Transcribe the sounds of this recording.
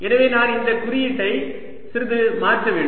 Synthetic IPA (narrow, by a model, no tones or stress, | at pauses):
ɛnɐʋeːnaːnɪnd̪ɐkʊɾɪjɪʈːɐɪ | sɪɾɯðɯmaːɾʈrɐʋeːɳɖ